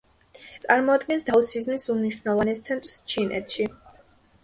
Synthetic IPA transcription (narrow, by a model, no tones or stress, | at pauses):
t̪sʼaɾmɔad̪ɡɛnsd̪ausizmisumniʃwnɛvˠanɛst̪sʰɛnt̪ʼɾst͡ʃʰinʔɛ̰t̪ʰʃi